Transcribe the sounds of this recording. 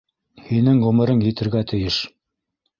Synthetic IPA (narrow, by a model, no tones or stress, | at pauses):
hinɘŋʁɵ̆mɘ̆ɾɤŋjɘ̆t̪ɘ̆ɾɡæt̪ʰɘ̆jɘʃ